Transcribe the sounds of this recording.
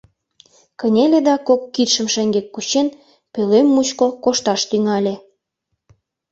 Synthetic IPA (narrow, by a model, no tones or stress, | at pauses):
kənʲeled̪ɑkokːit̪ʃə̆mʃeŋɡekːut͡ɕen | pølemːut͡ɕkokoʃt̪ɑʃt̪yŋɑlʲe